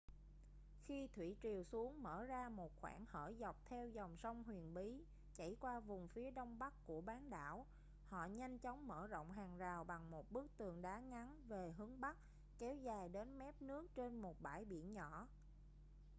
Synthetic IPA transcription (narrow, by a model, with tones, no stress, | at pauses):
xi˧t̪ʰwḭ˧˩t͡ɕi˨˩əwsu˨˦əŋməː˧˩zaː˧mo˨˩t̚xwa̰ː˧˩nhə̰ː˧˩za˨˩wk͡p̚t̪ʰɛ˧wzɔ˨˩wŋ͡msə˧wŋ͡mɦwi˨˩ənɓi˨˦ | t͡ɕa̰˧˩jkwaː˧vʊ˨˩ŋ͡mfi˨˦əɗə˧wŋ͡mɓa˦˥k̚kːu˧˩əɓaː˨˦nɗa̰ː˧˥˨w | hɔ̰˧˨ɲa˧jŋ̟t͡ɕɔ˨˦wŋ͡mməː˧˩zo̰˧˨wŋ͡mɦaː˨˩ŋzaː˨˩wɓa˨˩ŋmo˨˩t̚ɓɨ˦˥ək̚t̪ɨ˨˩əŋɗaː˨˦ŋa˨˦nve˨˩ɦɨ˨˦əŋɓa˦˥k̚ | kɛ˨˦wzaː˨˩jɗe˨˦nmɛ˦˥p̚nɨ˦˥ək̚t͡ɕe˧nmo˨˩t̚ɓaː˧˩jɓḭ˧˨ənɲɔ˧˩˨